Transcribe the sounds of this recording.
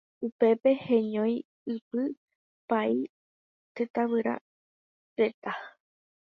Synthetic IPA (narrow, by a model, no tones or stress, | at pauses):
upe̞pe̞he̞ɲõj̃ | ɨpɨ | pai | t̪et̪aβɨɾa̰ | ɾe̞t̪a